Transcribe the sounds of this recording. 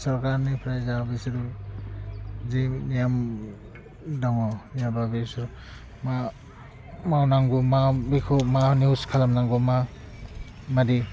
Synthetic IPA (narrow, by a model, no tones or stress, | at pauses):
sɔɾkaɾnipʰɾajzabisidu | zinijam | daŋɔnijababisɔɾ | ma | mawnaŋɡumabikʰumaniuskʰalamnaŋɡuma | madi